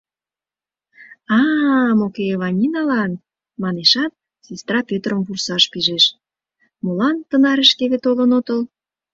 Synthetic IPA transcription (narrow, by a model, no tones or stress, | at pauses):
ɑmokeːβɑnʲinɑlɑn | mɑneʃɑt̪̚ | sest̪rɑpʲøt̪rəmvursɑʃpiʒeʃ | molɑnt̪ənɑɾeʃkeβet̪olə̆not̪əl